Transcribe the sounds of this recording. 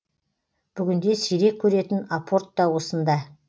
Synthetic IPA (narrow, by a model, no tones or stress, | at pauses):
b̥ʏɡʲɪnd̪e̞sijɾe̞kʲʰːɵɾe̞t̪ɪnapʰo̞rt̪ːɑwo̞sənd̪ɑ